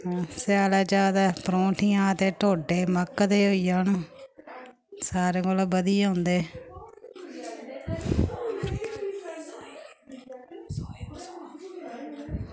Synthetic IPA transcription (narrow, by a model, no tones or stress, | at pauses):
sɪaːleːd͡ʒaːd̪aːpɾõːʈʰiːãːt̪eːʈoːɖeːməkd̪eːɦoiːjaːnː | saːɾeːɡolbəd̪iːɦõnd̪eː